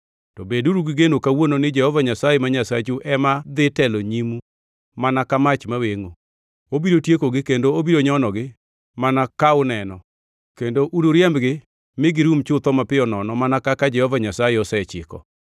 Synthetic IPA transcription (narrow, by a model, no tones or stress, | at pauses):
tɔbeduɾuɡɪɡenokawononɪd͡ʒɛhɔvaɲasajemaɲasat͡ʃuʔɛmad̪ɪtɛloɲimu | manakamat͡ʃmaweŋo | obiɾotjekoɡɪkendoobiɾoɲɔnɔɡɪ | manakaʊnɛnɔ | kendoʔuduɾjɛmɡɪ | mɪɡɪɾumt͡ʃʊt̪ɔmapɪɔnɔnɔmanakakad͡ʒɛhɔvaɲasajeɔsɛt͡ʃɪ̰kɔ̰